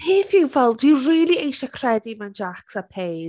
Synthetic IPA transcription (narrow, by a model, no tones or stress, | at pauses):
heːθɪwvɛlˠɪwriːlˠiejʃakʰr̥ɛdimand͡ʒaksapʰej